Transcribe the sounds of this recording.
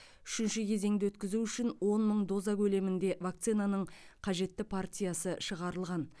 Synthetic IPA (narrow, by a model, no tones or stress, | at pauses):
ʏʃɪnʃɪkʲʰe̞ze̞ŋd̪ɪwɵt̪kʲɪzuʏʃɪnwo̞nməɴd̪o̞zɑkʲʰɵle̞mɪnd̪e̞vak̚t̪sijnanəɴqʰɑʒe̞t̪ːɪpʰart̪ʲijasəʃəʁɑɾəlˠʁɑn